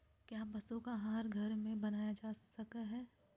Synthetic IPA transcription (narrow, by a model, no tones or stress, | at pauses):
kjaːbɐsõkaɦaːɾɡʱɐɾmẽbɐnaːjad͡ʒaːsɐkaɦɛː